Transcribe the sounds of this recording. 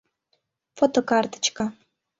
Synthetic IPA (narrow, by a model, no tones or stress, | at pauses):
fot̪okɑrt̪ə̥t͡ɕka